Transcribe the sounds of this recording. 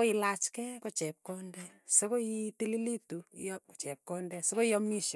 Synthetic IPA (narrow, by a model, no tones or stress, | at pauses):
oilat͡ʃkɛkot͡ʃɛp̚kɔndɛsekoitililitujɔko̥t͡ʃɛp̚kɔndɛsokojɔmiʃ